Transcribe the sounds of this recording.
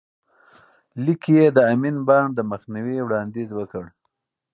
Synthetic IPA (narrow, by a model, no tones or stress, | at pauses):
likijed̪əaminbɑnd̪əməxniwiwɽɑnd̪izwəkəɽ